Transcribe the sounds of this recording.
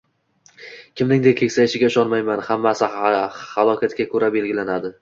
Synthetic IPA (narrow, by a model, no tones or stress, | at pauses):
kʲɪmnɪŋd̪ek̚ʲkʲʰe̞kʲsajɪʃɪɡʲaɪʃɒnmajmanhamːasɪhalˠɒkʲʰat̪kʲakʰɵɾabe̞lɡʲɪlanad̪ɪ